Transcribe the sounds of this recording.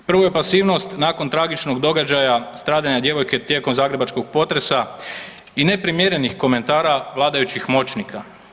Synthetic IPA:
pr̩ʋoje̞pasiːʋno̞st̪naːko̞nt̪ɾaːɡit͡ʃnoɡd̪o̞ɡad͡ʒajast̪ɾaːd̪aɲad̪je̞ʋo̞jke̞t̪je̞ko̞mzaːɡɾe̞bat͡ʃkoɡ̚po̞t̪ɾe̞sa | ine̞pɾimjeɾe̞nixko̞me̞nt̪aːɾaʋlˠaːd̪ajut͡ʃixmo̞t͡ʃnikʰa

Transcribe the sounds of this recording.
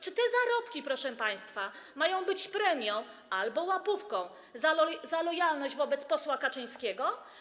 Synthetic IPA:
t͡ʂɘt̪ɛzaɾɔpkʲipɾɔʂɛpaj̃st̪fa | majɔ̃w̃bɘt͡ɕpɾɛmʲjɔ̃w̃ | albɔwapufkɔ̃w̃ | zazalɔjalnɔʑd͡ʑvɔbɛt̪spɔswakat͡ʂɘj̃skʲɛɡɔ

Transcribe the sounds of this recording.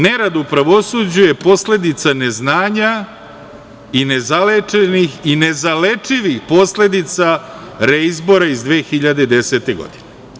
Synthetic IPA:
neɾad̪upɾaʋo̞sud͡ʑuje̞po̞sle̞d̪it̪sane̞znaːɲa | ine̞zalet͡ʃenixine̞zale̞t͡ʂiʋixpo̞sle̞d̪it̪saɾeizbo̞ɾaizd̪ʋeːxiʎad̪e̞d̪e̞se̞t̪e̞ɡo̰d̪ine

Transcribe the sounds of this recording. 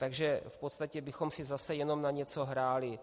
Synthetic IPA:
t̪aɡʒɛfpot̪st̪acɛbɪxo̞msɪzasɛjɛno̞mnaɲɛt͡so̞ɦɾaːlɪ

